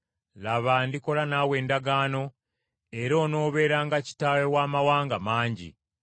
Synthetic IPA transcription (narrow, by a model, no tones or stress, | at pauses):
laβaːndiko̞lanaːwe̞ːndaɡaːno̞ | e̞ɾo̞ːno̞ːβe̞ːɾaːŋɡaci̥taːwewaːmawaːŋɡamaːɲɟḭ